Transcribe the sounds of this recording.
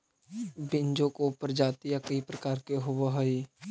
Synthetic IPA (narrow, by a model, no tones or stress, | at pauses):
bɪɲd͡ʒõkopəɾd͡ʒaːt̪ijakɐɦipɾəkaːɾkeɦʊwaɦəi